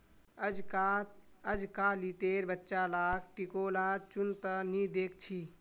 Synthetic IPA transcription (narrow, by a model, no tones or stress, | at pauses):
d͡ʒ | əd͡ʒkalit̪eːɾbətːʃalaːk̚ʰʈikoːlat͡ʃʊnt̪ənid̪eːk̚ʰt͡ʃʰi